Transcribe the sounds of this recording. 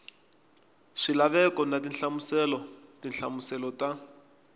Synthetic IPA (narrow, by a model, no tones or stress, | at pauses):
ʂilaβɛkɔnatinɬamusɛlɔ | tinɬamusɛlɔta